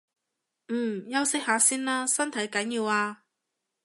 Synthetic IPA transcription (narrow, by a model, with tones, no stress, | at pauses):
m̩ː˨˩jɐ˥wsɪ˥k̚haː˨˥siː˥nlaː˥sɐ˥nt̪ʰɐ˨˥jkɐ˨˥njiː˨˧waː˧